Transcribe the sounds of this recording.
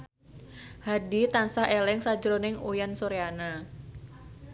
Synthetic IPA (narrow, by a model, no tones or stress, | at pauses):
hadit̪ansahelɛŋsad͡ʒɾonɪŋujansoɾeana